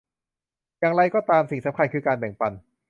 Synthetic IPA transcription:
jaː˨˩ŋɾa˧jkɔː˥˩t̪aː˧msi˨˩ŋsa˦mkʰa˧nkʰɯː˧kaː˧nbɛ˨˩ŋpa˧n

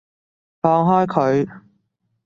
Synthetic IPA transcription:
fɔː˧ŋɦɔː˥jkʰɵ˨˧ɥ

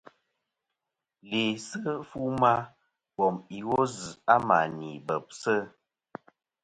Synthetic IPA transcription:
le˨sə˦fu˦ma˦ | bɔ˨mi˨ɣo˦z̩˨a˦ma˨ni˨bə˨p̚sə˦˨

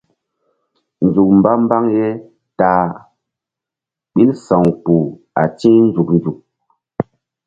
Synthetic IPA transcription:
n̩˨d͡ʒu˨k̚m˨ba˦m˦ba˦ŋje˦ | ta˨ | ɓi˦nsã˨ŋpu˨ | a̰˨t͡ʃi˦n˦d͡ʒu˨k̚n˨d͡ʒu˨k̚

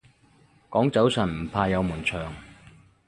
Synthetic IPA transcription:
kɔː˨˥ŋt͡sɐ˨˥wsɐ˨˩nm̩˨˩pʰaː˧jɐ˨˧wmuː˨˩nt͡sʰœː˨˩ŋ

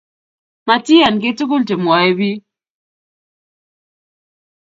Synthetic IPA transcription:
ma˨ti˦a˨nke˦tu˦ko˦lte˨mwa˨e˦βi˦

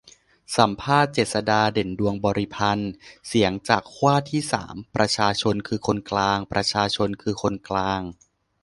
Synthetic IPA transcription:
sa˩˦mpʰaː˥˩t̪̚t͡ɕeː˨˩t̪̚sa˧daː˧de˨˩˦ndu˧əŋbɔː˧ɾi˦˧pʰa˧nsi˩˦əŋt͡ɕaː˨˩kʰːwaː˥˩t̪ʰiː˥˩sa̰ː˩˦mpɾa˧t͡ɕʰaː˧t͡ɕʰo˧nkʰɯː˧kʰo˧nklaː˧ŋpɾʔa˧t͡ɕʰaː˧t͡ɕʰo˧nkʰɯː˧kʰo˧nklaː˧ŋ

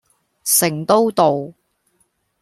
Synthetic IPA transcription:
sɪ˨˩ŋt̪o˥wt̪o˨w

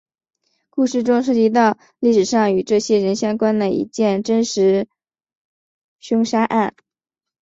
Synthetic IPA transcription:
ku˥˧ʂɻ̩˥˩ʈ͡ʂʊ˥ŋʂ̬ɤ˥˩t͡ɕi˥˧t̪ɑ˥˧ʊ | li˥˩ʂɻ̩˨˩ʂɑ˥˩ŋy˨˩ʈ͡ʂɤ˥˩ɕjɛ˥ɻə˧˥nɕjɑ˥ŋkwa˥nd̪ə˨˩ḭ˧˥t͡ɕjɛ˥˩nʈ͡ʂə˥nʂɻ̩˧˥ | ɕʊ˥ŋʂa˥ʔa˥˩n

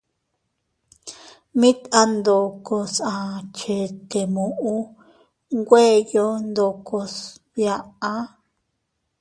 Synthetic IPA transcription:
mĩ˦t̪a˧nd̪o˨ko˧sã˨˧t͡ʃe˨t̪e˨mũ˨ʔũ˦ | ŋɡʷe˦jo˦nd̪o˧ko˧s | βja˨ʔa˦

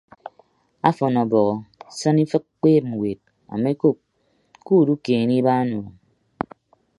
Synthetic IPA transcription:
a˦fɔ˨nɔ˨bɔ˨ɣɔ˨sɔ˦ni˦fɨ˦k̚k͡peː˦p̚ŋ̩˨we˨t̚ | a̰˨me˦ko˦p̚ | ku˦˨du˦keː˨ni˦ba˦nu˨ɔ˨

